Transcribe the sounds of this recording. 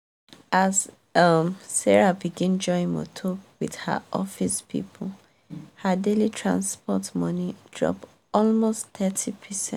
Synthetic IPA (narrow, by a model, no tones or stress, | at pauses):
az | ʌmsɛɹabiɡĩnd͡ʒɔ̃ŋmo̰tʰɔkwḭð̥hə̰ʔɔfispʰḭpʰol | hadelitʰɹã̰nspɔtmʌ̃nid̥ɹɔ̰p | ɔlmostt̪ɛtʰipʰɛsɛ̰̃